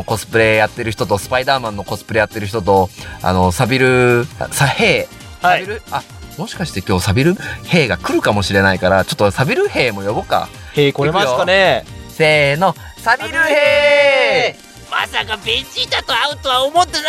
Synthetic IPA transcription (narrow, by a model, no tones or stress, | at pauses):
oko̞sɨ̥pɯ̟ɾe̞jat̪ːe̞ɾɯ̟çi̥t̪ot̪osɨ̥paid̪aːmãnːo̞ko̞sɨ̥pɯɾe̞ːjat̪ːe̞ɾɯ̟çi̥t̪o̞t̪o̞a̰no̞sabʲiɾɯ̟̰saheː | sabʲiɾɯ̟a | mo̞ɕi̥kaɕi̥t̪e̞kʲo̞ːsabʲiɾɯ̟he̞ːɡakɯ̟ɾɯ̟kamo̞ɕiɾe̞naikaɾat͡ɕo̞t̪ːosabʲiɾɯ̟he̞ːmo̞jo̞boka̰ | keaoaneseːno̞ | sabʲiɾɯ̟he | ma̰sakabẽɲd͡ʑid̪at̪oaɯ̟t̪oβaomot̪ːen